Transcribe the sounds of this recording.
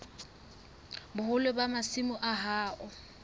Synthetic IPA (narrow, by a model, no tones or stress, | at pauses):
bʊhʊlebamasimʊʔaɦaːʔʊ